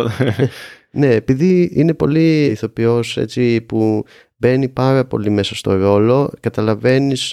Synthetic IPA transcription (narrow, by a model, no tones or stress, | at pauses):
ne̞ːpiðiine̞po̞liiθo̞pio̞sḛt͡ssipu | be̞nipɐɾɐpo̞̰lime̞sɐst̪o̞ɾo̞lo̞kɐt̪ɐlɐve̞nis